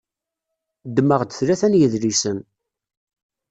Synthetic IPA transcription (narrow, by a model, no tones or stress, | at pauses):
d̪məʁd̪əθlæθænjəðlisən